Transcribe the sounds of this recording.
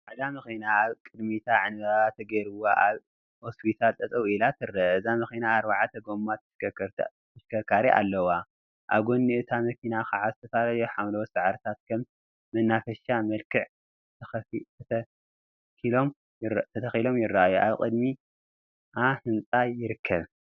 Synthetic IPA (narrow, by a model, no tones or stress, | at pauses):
ħad̪amɨxinaːβkʼɨd̪mit̪ʰaʕɨnβɐβat̪ʰɐɡɐɾɨwaʔaβ | hospʰit̪ʰalt̪ʼɐt͡sʼɐwilat̪ʰɨɾːɐɨzamɨxinaːɾbaʕat̪ʰɐɡo̞mːat̪ʰɨ̥ʃkɐɾʰ | ɨʃkʰɐkʰaɾiʔa̰lːɐwa | ʔa̰βɡo̞nːiʔɨt̪ʰamɐkʰinakaʕazɨt̪ʰɐfalɐjoħamlosɨʕɾɨt̪ʰat̪kʰɐm | mɐnːafɐʃamɐlkʰɨʕ | t̪ʰɐxɐt̪ʰt̪ʰɐ | kilo̞m | t̪ʰɐt̪ʰɐxilo̞mjɪrːaʔajuʔa̰βkʼɨd̪mi | ʔahɨnt͡sʼajɪɾɨkʰːɐβ